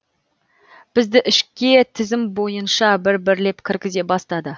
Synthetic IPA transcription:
b̥ɪzd̪ɪʔɪʃkʲe̞t̪ʰɪzɪmbo̞jənʃɑbɪɾbɪɾle̞pkʲʰɪɾkʲɪze̞bɑst̪ɑd̪ə

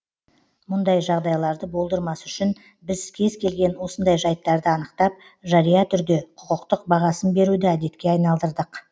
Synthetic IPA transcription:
mʊnd̪ɑjʒɑʁd̪ɑjlˠɑɾd̪əbo̞lˠd̪əɾmɑsʏʃɪn | bɪzkʲʰe̞zkʲʰe̞lɡʲe̞nwo̞sənd̪ɑjʒɑjt̪ːɑɾd̪əɑnəqt̪ɑp̚ | ʒɑɾijɑt̪ʰʏɾd̪e̞qʰʊ̥qəqt̪əq̚bɑʁɑsənbe̞ɾud̪ɪæd̪e̞t̪kʲe̞ɑjnɑlˠd̪əɾd̪əq

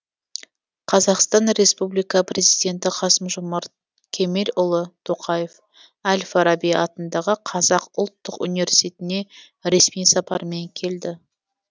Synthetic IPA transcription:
qʰɑzɑqst̪ɑnɾe̞spublijkɑprʲe̞zijd̪ʲe̞nt̪ɪqʰɑsəmʒomɑɾt̪ | kʲʰe̞melʲʊlˠət̪ʰo̞qʰɑje̞f | ælʲfɑɾɑbijɑ̰t̪ənd̪ɑʁəqʰɑzɑqʊlˠt̪ːəqṵnive̞ɾsʲi̥t̪e̞t̪ɪne̞ | ɾe̞smijsɑpɑɾəme̞ŋkʲʰe̞ld̪ɪ

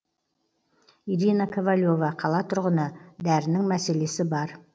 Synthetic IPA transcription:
iɾinakʲʰovalʲjo̞vɑqʰɑlˠɑt̪ʰʊɾʁənəd̪æɾɪnɪŋmæse̞le̞sɪbɑɾ

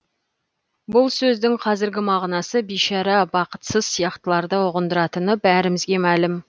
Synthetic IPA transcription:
bʊlˠsɵzd̪ɪŋqʰɑzɪɾɡʲɪmɑʁnɑsəbijʃɑɾɑbɑqə̥t̪səzsijɑqt̪əlˠɑɾd̪əʊʁənd̪əɾɑt̪ənəbæɾɪmɪzɡʲe̞mælɪm

